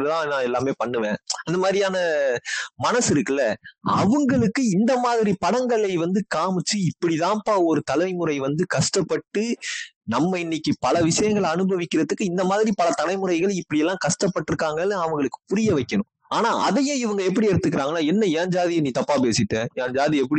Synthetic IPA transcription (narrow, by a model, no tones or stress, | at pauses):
ɯt̪ãːnãːɛlːaːmeːpɐɳːɯʋẽːɐnd̪ɐmaːðɾijaːnɐ | mɐnɐsɪɾɯkːɯlːɐɐ̰ʋɯŋɡɐɭɯkːɯɪnd̪ɐmaːðɪɾipɐɽɐŋɡɐɭɐɪʋɐnd̪ɯkaːmɪt͡ʃːɯɪpːɐɽiðãːpaɔɾɯt̪ɐlɐɪmɯɾɐɪʋɐnd̪ɯkɐʂʈɐpːɐʈːɯnɐmːɐɪnːɪkːipɐlɐʋɪʂɐjɐŋɡɐɭɐnɯbɐʋɪkʲːɪɾɐðɯkːɯɪnd̪ɐmaːðɪɾipɐlɐt̪ɐlɐɪmɯɾɐɪɣɐɭɪpːɐɽɪjɛlːãːkɐʂʈɐpːɐʈːɯɾɯkːaːŋɡɐɭɐʋɐŋɡɐɭɯkːɯ̥pʊɾɪjɐʋɐɪkːɐnʊ̃ | aːnaːʔɐ̰ðɐjẽɪʋɐŋɡɐɛp̬ːɐɽiɛɾɯt̪ːɯkːɪɾaːŋɡɐnːaːɛnːɐjaːɲd͡ʒaːðɪjɐniːt̪ɐpːaːpeːsɪʈːẽːjaːɲd͡ʒaːðiɛp̬ːɐɽi